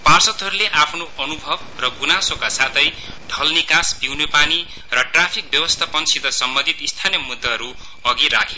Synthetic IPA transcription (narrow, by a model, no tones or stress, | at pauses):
parsʌt̪ɦʌɾuleʔapʰnoʔʌnubʱʌbrʌɡunasokasat̪ʰʌj | ɖʱʌlnikaspiwnepani | rʌʈrapʰik̚bjʌwʌst̪ʰapʌnsid̪ʱʌsʌmbʌ̃nd̪ʱit̪ist̪ʰanjʌmud̪ːʌɦʌɾu | ʌɡiɾa̰kʰe